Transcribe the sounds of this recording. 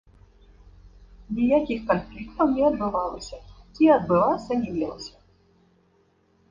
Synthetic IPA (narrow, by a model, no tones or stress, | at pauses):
nʲijakʲixkɔnflʲikt̪ɔwnʲɛɔd̪bɪʋɑlˠɪsʲɐt͡sʲiɐd̪bɪlˠɑsʲɐnʲimʲilˠɔ̰sʲɐ